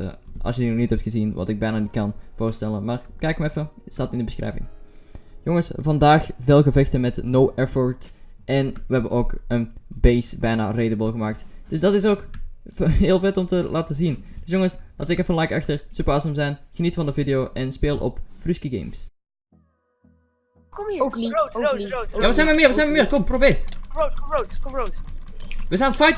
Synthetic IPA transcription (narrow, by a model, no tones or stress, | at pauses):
ɑ̰sjədinɔxnitɛp̚txəzinʋɑ̰tɪɡ̚bɛjnaːnit̚kɑnv̥oːrstɛlənmaːrkɛɪkmaɛfəsaːtɪndəbəsxrɛ̰jvɪ̰ŋ | joŋəsvɑndaːxvɪːlˠɣəvɛxtəmɛtnowʔɛfɔɹt | ʔɛnʋəɦɛbənʔoːkənbejsbɛjna̰ːreːdəbəlˠɣəmaːk̚td̥ɵsdɑtɪs̬oːk | ɦɪːlˠvɛtɔmtəlʔaːtəzind̥ɵsjoŋəsɑsɪkəfɑnlɑjkɑxtəɹsøpəɹɑsəmzɛjnɣənitfɑndəvidɪjoːʔɛnspeːlˠʔɔ̰pfryskiɡḛjms | jaːʋəzɛjnməmɪːɹʋəzɛnməmɪːɹkɔmprobɪːr | ʋəzaːnfɑjt